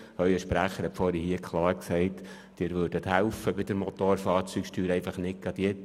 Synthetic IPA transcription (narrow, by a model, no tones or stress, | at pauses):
œʏəʃpɾæχəɾhɛtfɔːɾihiəkʰlˠɑːɾksɛɪt | d̥ɪːɾʋøːɾdət̪hælfəbɪd̥̪əɾmɔt̪oːɾfɑːɾt͡syksʃtʰyːɾɛɪfɑχnɪk̚ɡ̥ɑd̥̪jɛ